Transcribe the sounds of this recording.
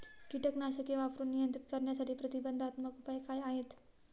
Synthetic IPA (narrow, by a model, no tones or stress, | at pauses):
kiʈəknaɕəkeʋapɾuːnːijənt̪ɾit̪kəɾɳjasaʈiːpɾət̪ibənd̪ʱat̪məkupajkajaɦet̪